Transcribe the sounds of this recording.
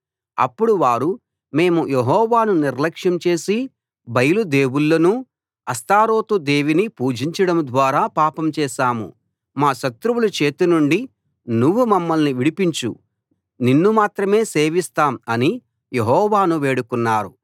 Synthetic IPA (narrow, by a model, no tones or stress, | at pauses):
ɐ̰pːuɽuʋaːɾu | me̞ːmujeɦɔːʋaːnuniɾlɐkʂjɐmt͡ʃe̞ːsi | bɐjɐlud̪e̞ːwulːɐnu | ɐst̪aːɾo̞ːt̪ud̪e̞ːʋinipuːd͡ʒiɲt͡ʃɐɽɐmd̪ʋaːɾaːpaːpɐmt͡ʃɛːʃaːmṵ | maːʃɐt̪ɾuwulɐt͡ʃe̞ːt̪unuɳɖi | nuʋːumɐmːɐlniʋiɽipiɲt͡ʃṵ | ninːumaːt̪ɾɐme̞ːse̞ːʋist̪aːmɐni | jeɦɔːʋaːnuʋe̞ːɽukunːaːɾu